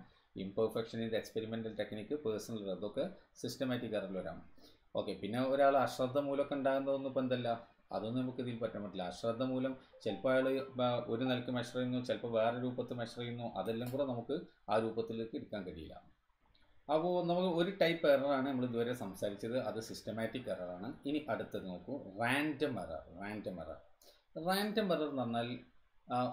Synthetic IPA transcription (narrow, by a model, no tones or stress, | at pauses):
ḭmpɐrfekʂɐnind̪eekspeɾimendɐlt̪eknikʲːɨpeːsɐnɐliɾɐðo̞kːe̞sistɐmaːjtːikerɐilʋɐɾa̰ːm | o̞̰ːkːe̞pinːe̞oɾaːɭɨɐɕrɐd̪ʱːɐmuːlɐokːeuɳɖaːɣunːɐðonːupend̪ɐlːɐ | ɐ̰ðo̞nːɨnɐmukːiðijilpɐtːɐmːoɐʈːilːɐːɕrɐd̪ːɐmuːlɐmt͡ɕelpɐjaːɭeo̞ɾunɐlkʲːɨmeʂɐrɐjunːut͡ɕelpɐʋe̞ːreɾuːbɐt̪ːɨmeʂɐrɐjunːuʔɐ̰ðelːaːmkuːɽenɐmukːɨaːɾuːbɐt̪ːilekːeɽukʲːaːnkɐɽijɐ̰lːɐ̰ | ɐpoːnɐmukːɨo̞ɾuʈɐjpːerɐraːɳɨnɐmːɐɭid̪uʋɐɾesɐmsaːɾit͡ɕːɐðɨɐðɨsistɐmaːtːikːɐrɐraːɳɨiniʔɐɽut̪ːɐðɨnɐmukːɨraːndɐmɐ̰rɐ̰rraːndɐmɐ̰rɐ̰r | raːndɐmʋɐrɐrnɐnːaːl